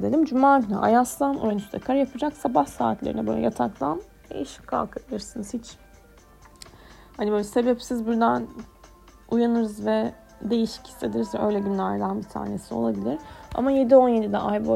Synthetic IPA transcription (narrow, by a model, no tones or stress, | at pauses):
d̪elʲimd͡ʒumaːd̪ʰɯnaʔa̰jaslˠanojanyst̪ʰɛkʰaɾajapʰɯd͡ʒaksabahsa̰ːt̪ʰlʲeɾinɛbø̰lʲɛ̰ja̰t̪ʰaklˠan | d̪ḛjiʃi̥ckʰa̰lˠkʰabilˠɯɾsɯnɯz̥hit͡ʃ | hanibølʲɛse̞bɛpsizbuɾd̪æn | ujanɯɾɯzvɛ | d̪e̞jiʃi̥cʰi̥st̪ʰe̞d̪iɾizvɛʔø̞jlʲɛɟynlʲæɾd̪ˠanbit̪ʰa̰ːne̞sio̞̰lˠabilʲiɾ̥a̰maje̞d̪io̞nje̞d̪id̪ɛ̰ajbo